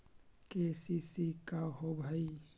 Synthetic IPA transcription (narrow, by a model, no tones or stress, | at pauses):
kesisikaɦobʱəi